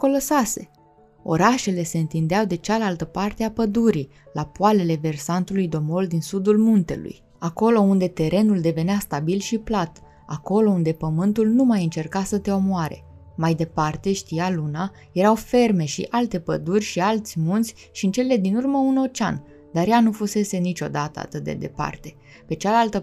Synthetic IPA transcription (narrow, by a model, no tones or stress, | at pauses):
ko̞losase̞ | o̞ɾaʃe̞le̞se̞ɨnt̪ind̪eawd̪e̞t͡ʃalalt̪əpart̪eapəd̪uɾi | lapuale̞le̞ve̞rsant̪ulujd̪o̞mo̞ld̪insud̪ulmunt̪e̞̰lṵj | ako̞lo̞und̪e̞t̪e̞ɾʔe̞nuld̪e̞ve̞neast̪abilʃiplat̪ | ako̞lo̞und̪e̞pəmɨnt̪ulnumajɨnt͡ʃe̞rkasət̪e̞o̞moaɾe̞̰ | majd̪e̞part̪e̞ʃt̪ijaluna | je̞ɾawfe̞rme̞ʃḭʔalt̪e̞pəd̪urʲʃialt̪sʲmunt̪sʲ | ʃiɨnt͡ʃe̞le̞d̪inurməuno̞t͡ʃa̰n | d̪aɾjanufuse̞se̞nit͡ʃʲo̞d̪at̪ə̰a̰t̪ɨt̪̚d̪e̞̰d̪e̞̰pa̰rt̪e̞ | pe̞t͡ʃalalt̪ə